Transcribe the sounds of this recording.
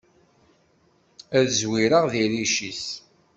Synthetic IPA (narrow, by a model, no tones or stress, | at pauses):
æðəzwiɾəʁðiɾiʃis